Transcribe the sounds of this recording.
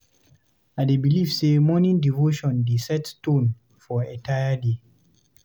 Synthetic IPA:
adebilifsemɔnĩndivoʃɔ̃ndesɛttõn | fɔɛ̃taɪəde

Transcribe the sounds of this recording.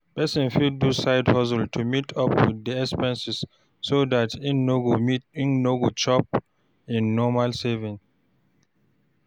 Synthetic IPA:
pɛsĩnfidusaɪdhɔs̬ɛltʰumitʰʌpwḭðːiɛkspɛ̃nsisː | odatʰioɡmiĩnnoɡot͡ʃɔp̚ | ĩnːɔmalsɛvĩŋ

